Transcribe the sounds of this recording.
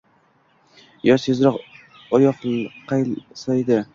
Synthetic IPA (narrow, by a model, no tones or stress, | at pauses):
jɒsezɾɒq | ɒjɒqqʰːɑjsɑjd̪ɪ